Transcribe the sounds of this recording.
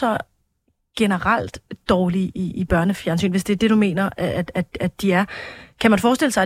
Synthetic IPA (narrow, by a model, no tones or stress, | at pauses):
ɒ̽ | ɡ̥e̝nəʁal̰d̥d̥ɒːliʔiib̥ɶɐnəfjæɐnsy̰ːnʋe̝sd̥eæɐd̥e̝d̥ume̝̰ːnɐæ̥æ̥æd̥iæɐkʰæmænfɒːsd̥e̝l̰əsɑ